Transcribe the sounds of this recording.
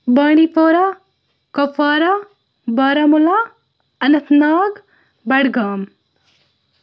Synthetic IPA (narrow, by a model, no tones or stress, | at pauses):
baːɳipoːɾa | kɐpaːɾa | baːɾamula | ɐnɐt̪naːɡ | bɐɽɡaːm